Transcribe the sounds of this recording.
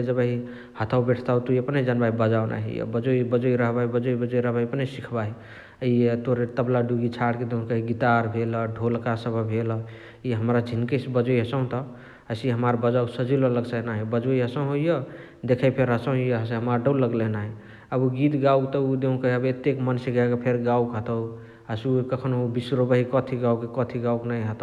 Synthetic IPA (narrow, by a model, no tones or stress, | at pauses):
d͡ʒəbəɦi | hət̪ʰawbeʈʰt̪awt̪oiəpned͡ʒənbaɦibəd͡ʒawnʔa̰ɦḭjə̰bəd͡ʒoibəd͡ʒoiɾəɦbaibəd͡ʒoibəd͡ʒoiɾəɦbajəpnesikʰbaɦi | əiet̪oɾet̪əblaɖuɡit͡ʃʰaɽked̪eɦũkəɦiɡit̪aɾbʱeləɖʱolkasəbʱəbʱelə | iɦəmɾad͡ʒʱinkesbəd͡ʒoiɦəsə̃ɦũt̪ɔ | əsɦəmaɾbəd͡ʒawksəd͡ʒilɔləɡsanaɦibəd͡ʒojɦəsə̃ɦojə | d̪ekʰəjpʰeɾɦəsə̃ijəɦəseɦəmaɾɖəwləɡlenaɦi | əbuɡit̪ɡaukt̪ɔud̪eɦũkəɦiəbet̪ekmənseɡaɡapʰeɾɡawkɦət̪əw | əsukəkʰənbisɾobəɦikɔt̪ʰiɡawkekɔt̪ʰiɡauknaiɦət̪